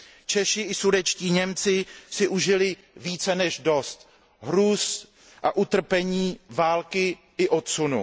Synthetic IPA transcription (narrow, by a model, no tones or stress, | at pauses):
t͡ʃɛʃɪɪsudɛt͡ʃciːɲɛmt͡sɪsɪʔuʒɪlɪ | viːt͡sɛnɛʒdo̞st̪ | ɦɾuːs | ʔaʔut̪r̩pɛɲiːvaːlkɪ | ʔɪʔot̪sunṵ